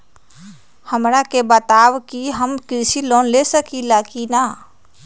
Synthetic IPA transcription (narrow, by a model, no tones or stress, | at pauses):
həmɾakebət̪aːwkiɦəmkɪɾsiloːnlesəkilakina